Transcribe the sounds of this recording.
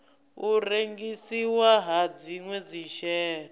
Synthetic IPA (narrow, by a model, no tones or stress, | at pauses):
uɾeŋɡisiwaɦad͡ziŋwɛd͡ziʃɛː